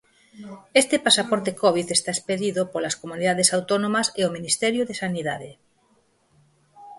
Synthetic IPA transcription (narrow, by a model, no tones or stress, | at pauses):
est̪epasapɔɾt̪ekɔβ̞iθest̪aespeðiðopolaskomuniðaðesawt̪onõmaseominist̪ɛɾjoðesaniða̰ðe